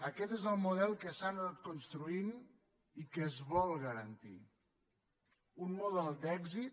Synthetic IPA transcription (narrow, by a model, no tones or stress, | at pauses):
əkɛt̪ezəlˠmuð̞ɛlˠkəsananat̪kunst̪ɾuin | ikəzβɔlˠɣəɾənt̪ḭ | unmuðɛlˠd̪ɛɡzit̪